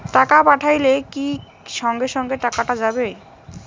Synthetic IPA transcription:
ʈakapaʈʰajleki | ʃɔŋɡeʃɔŋɡeʈakaʈad͡ʑabe

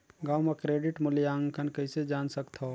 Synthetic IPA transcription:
ɡaːwmekɾeːɖɪʈmʊljaːŋkʰənkɐɪsed͡ʒaːnsɐkt̪ʰo

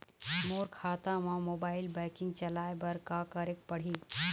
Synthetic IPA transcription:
moːɾkʰaːt̪amãmoːbaːɪlbɛːkɪ̃ŋɡ̚t͡ʃəlaːjbɐɾkakəɾek̚pəɽ̤iː

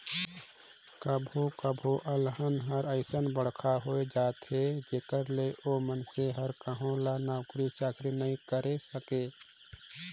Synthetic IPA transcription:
kəbʱokəbʱoʔəlɦənɦəɾəɪsənbəɽ̤kʰaɦoːed͡ʒaːt̪ɦed͡ʒeːkəɾleʔoːmənseɦəɾkəɦõlanaːʊkɾit͡ʃaːkʰɾinəɦĩkəɾesəkeː

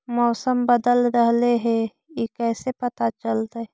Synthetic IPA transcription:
mɔːsəmbəd̪əlɾəɦleɦɛ̃ | jekɛːsepət̪at͡ʃəlt̪aɛ

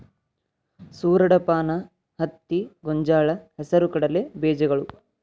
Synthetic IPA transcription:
suːɾɐɽɐpaːnɐ | hɐt̪ːiɡoɲd͡ʒaːɭɐɦɛsɐɾukɐɽɐlebeːd͡ʒɐɡɐɭu

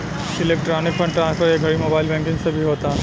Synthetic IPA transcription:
sɪleːkʈɾaːnɪk̚pʰə̃ɳʈɾãːnskʰəɾjeɡʱɐɽimoːbaːɪlbɛ̃ːŋkɪ̃ŋsebʱiɦoːt̪a

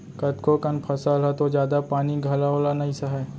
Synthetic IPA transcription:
kɐt̪kokɐnpʰɐsalɦɛt̪od͡ʒjaːd̪apaːniɡʱalaoːlanɐɦĩsaɦɛː

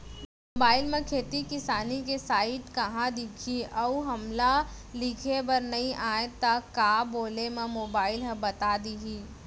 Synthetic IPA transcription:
moːbaːɪlmẽkʰeːt̪ikɪsaːnik̬esaːɪʈkɐɦãd̪ɪkʰiʔɐuɦɐmlalɪkʰebɐɾnɐɦĩʔaːet̪akaːboːlemẽmoːbaːɪlɦəbɐt̪aːd̪iɦi

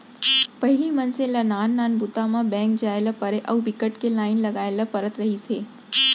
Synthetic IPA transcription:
pɐɦilimənsẽlənaːnːaːnbʊt̪amãbɛ̃ːŋk̚d͡ʒaːelapəɾeʔəʋbɪkəʈkelaːɪnlɐɡaːelapəɾət̪ɾəɦiseː

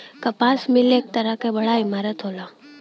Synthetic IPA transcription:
kɐpaːsmɪleːk̚t̪əɾakebɐɽaɪmaːɾət̪ɦoːlaː

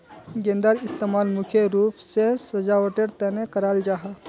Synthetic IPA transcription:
ɡẽːnd̪aːɾɪst̪eːmaːlmʊkʰjeɾuːpʰsesɐd͡ʒaoʈeɾt̪ɛnekɐɾaːld͡ʒaːɦa

